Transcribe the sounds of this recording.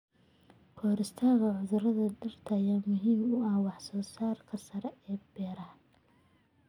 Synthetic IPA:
kʰɔːɾɪst̪ʰaːɣɐʕʊðɐɾɐðɐdɪrt̪ʰɐjaːmʊɦiːmʊɐhwɑħsɔːsaːrkʰɐsɐɾɛɛːbɛːɾɐh

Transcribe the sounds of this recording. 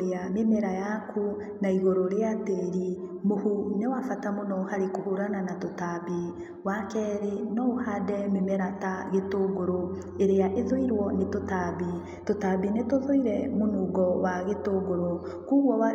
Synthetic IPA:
ɾeamemɛɾajakʰu | naiɣoɾoɾeateɾimohunewafatamonɔhaɾekohoɾananatotabi | wakɛːɾenɔohadɛmemɛɾataɣetoɡoɾo | eɾeaʔeðoiɾwɔnetotabi | totabinetoðoiɾɛmonuɡɔwaɣetoɡoɾo | kuːɣwɔwa

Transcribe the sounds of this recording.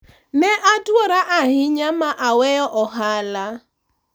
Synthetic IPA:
neʔadʊɔɾaʔaɦɪɲamaʔawejɔʔɔɦala

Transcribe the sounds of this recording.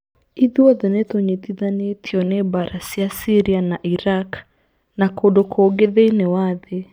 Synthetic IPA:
iðuɔðɛnɛtoɲet̪iðanetʰiɔnɛbaɾasiasiɾianaʔiɾak | nakodokʰoɡeðeinewaðe

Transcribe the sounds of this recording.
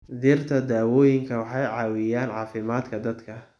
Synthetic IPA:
d̪ɪrt̪ʰɐd̪aːwɔːjɪŋkʰɐwɑħɑjʕɑːwɪjaːnʕɑːfɪmaːd̪kʰɐd̪ɐd̪kʰɐ

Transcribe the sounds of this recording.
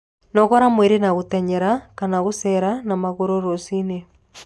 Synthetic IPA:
nɔɣɔɾamweɾenaɣotɛɲɛɾakanaɣosɛɾanamaɣoɾoɾosine

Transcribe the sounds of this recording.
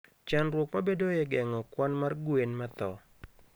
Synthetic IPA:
t͡ʃanrwɔkmabedojɛɡɛŋɔkwanmarɡwenmat̪ɔ̰

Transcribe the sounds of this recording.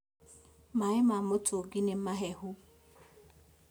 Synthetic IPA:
maɪmamʊtʰoɡinem̩maɦɛɦʊ

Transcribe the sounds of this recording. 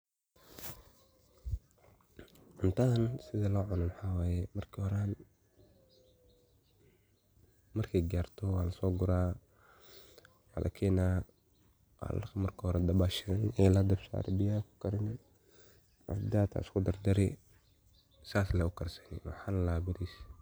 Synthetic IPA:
ʕʊnt̪ʰaːnsɪðɐlɔːʕʊnɐmwɑħaːwaːjɛmɐrkʰhɔɾan | mɐrkʰɛjɡaːrt̪ʰɔwaːlɐsɔːɡʊɾaː | wa̰ːlʔɐ̰kʰɛːnaː | wa̰lmɐrkʰɐhɔɾɛd̪ɐbaːʃɪðɐnɛlɐd̪ɐbsa̰ːɾɛ̰bɪjakʰʊ̥kʰɐɾɪnɪ | ʔɐ̰fd̪aːt̪ʰa̰ɪskʰʊd̪ɐrd̪ɐɾɪ | saːslɛʊkʰɐrsɐnɪ̰wɑ̰ħanlaːbɪɾis

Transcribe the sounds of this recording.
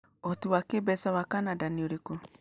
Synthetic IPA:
otuwakebɛsawakanadanioɾeko

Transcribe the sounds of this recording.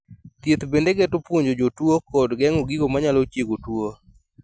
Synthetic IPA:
t̪jet̪bendeɡɛtʊpwoɲd͡ʒod͡ʒotwokɔdɡɛŋoɡiɡomaɲalot͡ʃjeɡotwo

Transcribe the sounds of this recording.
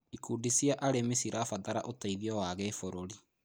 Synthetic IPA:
ikuːdisijaʔaɾemesiɾafaðaɾa̰ʔotaiðiɔwaɣefoɾoɾi

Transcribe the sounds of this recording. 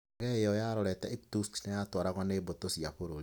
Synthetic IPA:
ɣɛejɔjaɾɔɾɛtɛek̚tusknɛjatwaɾaɣɔnebotosiapoɾo

